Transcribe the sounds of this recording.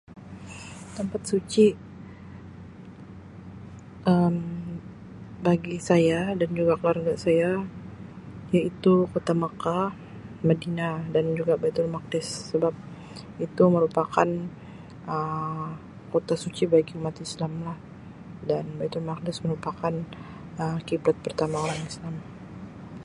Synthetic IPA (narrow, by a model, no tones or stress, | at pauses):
t̪əmpat̪̚sut͡ʃi | əm | baɡisajadand͡ʒuɡakəluwarɡaʔsaja | jait̪ukot̪amaka | mədinadand͡ʒuɡabajt̪ʊlmak̚dɪsːəbap̚ | it̪uməɾupakan | ʔə | kot̪asut͡ʃibaɡiumat̪islamlah | danbajt̪ʊlmak̚dɪsməɾupakan | əkibɾat̪̚pərt̪amaoɾaŋislam